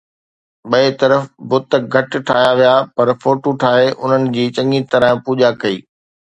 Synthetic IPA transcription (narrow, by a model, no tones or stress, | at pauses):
ɓɐet̪ɐɾəfbʊt̪̆ɡʱɐʈʈʰaːjaʋijapɐɾfoːʈoʈʰaːɦeʔʊn̤ənɪ̆d͡ʑiːt͡ɕɐ̃ŋit̪ɐɾə̃puːʄakɐiː